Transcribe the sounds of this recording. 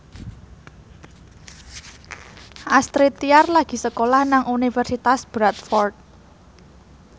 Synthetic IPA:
ʔast̪ɾit̪iarlaɡ̥i̤səkolahnaŋʔunifərsit̪asb̥ɾat̪fɔrt̪̚

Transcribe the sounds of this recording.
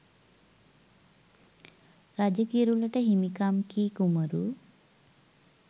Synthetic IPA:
ɾad͡ʒəkiɾulɐʈəɦimikamkiːkuməɾu

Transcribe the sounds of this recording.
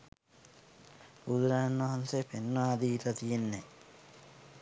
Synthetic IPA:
ud̪uɾaːnʋɐɦansepenːaːd̪iːt̪ɐt̪ijenːe

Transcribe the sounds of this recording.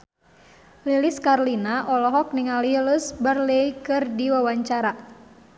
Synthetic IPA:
liliskarlinaʔɔlɔɦɔk̚niŋaliləsbarleikɨrdiwawaɲt͡ʃaɾa

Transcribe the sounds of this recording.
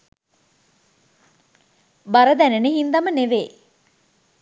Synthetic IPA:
baɾəd̪æneneɦind̪ɐməneʋeː

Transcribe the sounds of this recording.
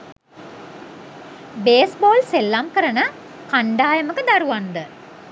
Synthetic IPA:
beːsboːlselːamkəɾənə | kaɳɖaːjəməkəd̪aɾuʋand̪ə

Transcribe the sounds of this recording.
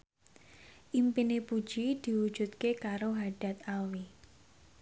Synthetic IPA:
ʔimpinepud̥ʒ̥id̪̥i̤wud̥ʒ̥ṳt̪̚kekaɾoɦaɖ̥a̤t̪̚awi

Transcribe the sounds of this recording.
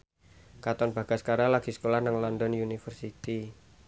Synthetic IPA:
kat̪ɔnb̥a̤ɡ̥askaɾalaɡ̥i̤sə̥kolahnaŋlɔndɔnjunifərsit̪i

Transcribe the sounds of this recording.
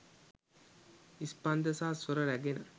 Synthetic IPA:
ispɐnd̪ɐsaːsuɾɐɾæɡenɐ

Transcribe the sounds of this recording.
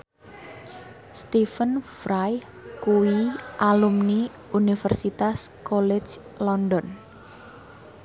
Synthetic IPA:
st̪ifənfɾaj | kuwiʔalumni | unifɛrsit̪askɔlɛ̥d͡ʒ | lɔndɔn

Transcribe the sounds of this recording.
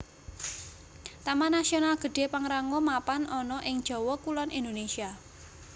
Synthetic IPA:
t̪amanasionalɡ̥ə̤dɖ̥e̤paŋɾaŋomapanʔɔnɔʔɪŋd̥ʒ̥ɔ̤wɔkulɔnʔind̪onesia

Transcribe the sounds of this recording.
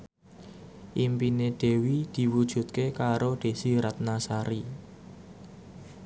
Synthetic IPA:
ʔimpineɖ̪̥e̤wid̪̥i̤wud̥ʒ̥ṳt̪̚kekaɾod̪̥e̤siɾat̪̚nasaɾi

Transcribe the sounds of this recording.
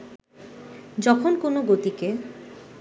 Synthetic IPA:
d͡ʑɔkʰonkonoɡot̪ike

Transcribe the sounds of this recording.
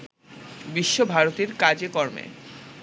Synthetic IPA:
biʃːobʱaɾot̪eɾkad͡ʑekɔɾmḛ

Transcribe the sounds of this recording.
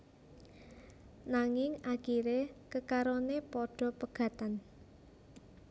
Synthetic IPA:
naŋɪŋaɡ̥iɾekəkaɾonepɔɖ̥ɔ̤pəɡ̥ä̤t̪an

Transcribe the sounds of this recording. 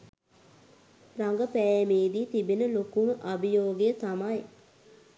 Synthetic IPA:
raŋɡəpɛːjmeːd̪iːt̪ibenəlokunəʔabijoːɡejət̪amaj

